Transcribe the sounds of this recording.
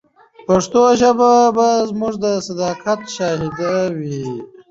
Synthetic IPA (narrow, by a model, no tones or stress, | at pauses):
paʂt̪oʒababazmuʐd̪əsad̪ɑːkʰat̪ʃɑhid̪awi